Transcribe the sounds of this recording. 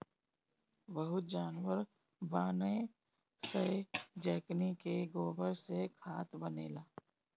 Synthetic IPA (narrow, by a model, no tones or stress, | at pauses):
bəɦʊt̪̚d͡ʒaːnwəɾ | baːnə | səed͡ʒɛːknikeɡoːbəɾsekʰaːt̪bənḛːlaː